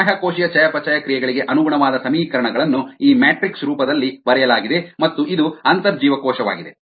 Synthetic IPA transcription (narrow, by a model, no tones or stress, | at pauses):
ɦɐkoːʃijɐt͡ʃɐjɐpɐt͡ʃɐjɐkɾijɛɡɐɭiɡe̞ʔɐnuɡuɳɐʋaːd̪ɐsɐmiːkɐɾɐɳɐɡɐɭɐnːuiːmɛːʈɾiksɾuːpɐd̪ɐlːibɐɾɛjɐlaːɡid̪e̞mɐt̪ːuʔid̪uɐnt̪ɐɾd͡ʒiːʋɐkɔːʃɐʋa̰ːɡid̪e̞